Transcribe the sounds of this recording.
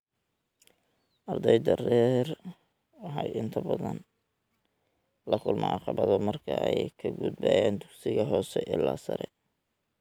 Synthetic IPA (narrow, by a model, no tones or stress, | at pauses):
ʔɑrd̪ɛjd̪ɐrɛːr | wɑħɑjʔɪnt̪ʰɐbɐðɐn | lɐkʰʊlmʔɔʕɑ̰qɑβɐðɔmɐrkʰɐɛjkʰɐɡʊd̪̚baːjaːnd̪ʊɡsɪɣɐɦɔːsɛʔɪlːaːsɐɾɛ